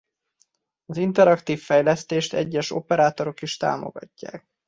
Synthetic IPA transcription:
ɒzint̪ɛɾɒkt̪iːfːɛjlɛst̪eːʃt̪ɛ̰ɟːɛʃo̞̰pɛɾaːt̪o̞ɾo̞kiʃt̪a̰ːmo̞̰ɡ̥ɒ̰cːa̰ːk̚

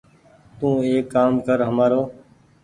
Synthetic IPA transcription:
t̪ũːeːkːaːmkəɾɦəmaːɾoː

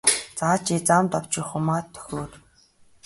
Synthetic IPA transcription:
t͡saːt͡ɕit͡samt̪ɔw̥t͡ɕĭχʊmaːt̪ʰːœ̥xʲroːt̪

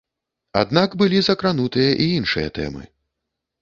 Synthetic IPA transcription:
a̰d̪nakbɨlʲizɐkɾanut̪ɨjɐʔiinʂɨjɐ̰t̪ɛ̰mɨ̰

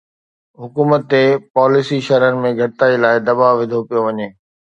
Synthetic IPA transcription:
ɦʊkuːmət̪ːepaːlɪsiʃɐɾəɾɪ̆mẽɡʱɐɽɪt̪aːilaːɪd̪ɐbaʋɪd̪ʱopijoʋɐɲeː

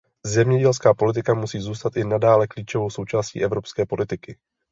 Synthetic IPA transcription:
zɛmɲɛɟɛlskaːpo̞lɪt̪ɪkamusiːzuːst̪at̪ʔɪnadaːlɛkliːt͡ʃovo̞wso̞wt͡ʃaːscḭːʔɛvɾo̞pskɛːpo̞lɪt̪ɪkɪ

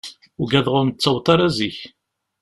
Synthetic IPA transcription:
ʊɡæðʁʊnt͡sːɑwt̪ˤɑɾˤæziç

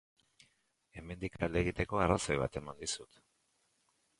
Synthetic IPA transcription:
e̞me̞nd̪ikald̪eɣit̪e̞ko̞araso̞jβ̞a̰t̪e̞mand̪isut̪

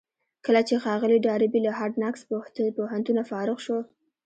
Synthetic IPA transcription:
kəlat͡ʃexɑɣəliɖɑɾɪbilaɦɑɾɖnakspoɦant̪unafɑɾɪɣʃo

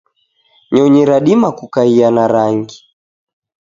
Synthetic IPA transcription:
ɲɔɲiɾaɗimakukaianaɾaŋɡi

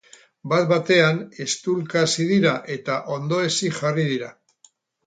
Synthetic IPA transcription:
bat̪̚bat̪e̞ane̞st̪ulkasið̞iɾaʔe̞t̪aʔo̞nd̪o̞e̞siʝarið̞iɾa

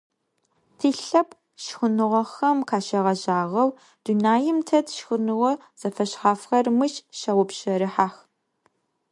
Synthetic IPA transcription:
tʰiːɬɐpʰ | ʃxʊnɨʁʷɐxɐmkʰaːʃɐʁɐʑaːʁɐw | d̥unaːjɪmtʰɐtʰʃxʊnɨʁʷɔ | z̥ɐfɐɕχaːfxɐrmɨʃʃɐwʊpɕɐɾɨħaːx

